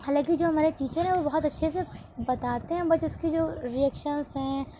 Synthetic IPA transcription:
haːlãːkid͡ʒoːɦɐmaːɾetiːt͡ʃəɾɦɛ̃ʋobɔɦɔt̪ɐtːʃʰese | bɐt̪aːt̪eɦɛ̃bɐt͡ʃʊskid͡ʒoːɾiɛːkʃənsɦɛ̃ː

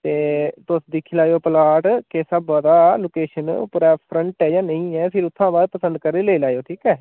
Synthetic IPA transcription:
t̪eːt̪ʊsd̪ɪkʰːilaːjoːpəlaːʈkeːsabɔːd̪aːloːkeːʃənpuːɾaːpʰɾəɳʈɛːd͡ʒaːnəĩːɛːpʰɪɾʊt̪ʰːãːbaːd̪̚pəsə̃nd̪̚kəɾeːleːlaːjoːʈʰiːkɛː

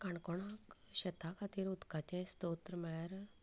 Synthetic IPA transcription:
kaɳkoɽak | ɕɐt̪ʰakʰat̪iɾut̪kat͡ɕɛ̃st̪oːt̪ɾmɛɭaɾ

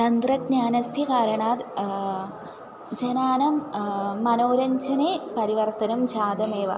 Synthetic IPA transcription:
t̪ɐnd̪rɐɡɲaːnɐsjɐkaːɾɐɳaːd̪ | d͡ʑɐnaːnɐmː | ɐnoːɾɐɲd͡ʑɐnepɐɾiʋɐrt̪ɐnɐmd͡ʑaːd̪ɐmeːʋɐ̰

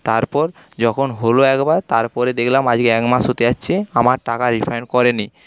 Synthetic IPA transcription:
t̪aɾpɔɾd͡ʑɔkʰonɦoloɛkbaɾt̪aɾpɔɾed̪ekʰlamad͡ʑkeɛkmaʃɦot̪eaːɕʰeamaɾʈakaɾifʰajnkɔɾeni

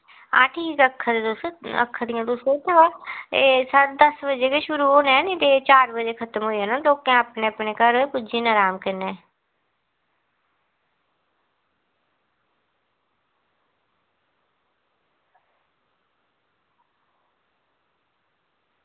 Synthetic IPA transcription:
ã̰ːʈʰiːkəkʰːd̪et̪ʊsə̰kʰːd̪ɪjãːt̪ʊset̪ʰːeʋaːeːsəɽd̪əsbəd͡ʒeːkeʃʊɾuːɦoːnɛ̃ːnid̪eːt͡ʃaːɾbəd͡ʒeːkʰət̪əmɦoːiənãːloːkãːəpneːəpneːkəɾɦoːeːpʊd͡ʒiːnaːɾaːmkɪnːeː

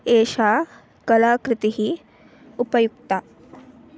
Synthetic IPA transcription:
eːʃa | kɐlaːkɾɪt̪iɦiː | upɐjuɡt̪a

